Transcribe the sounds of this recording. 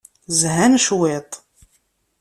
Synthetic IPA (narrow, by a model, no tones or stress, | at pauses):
zɦænʃwet̪ˤ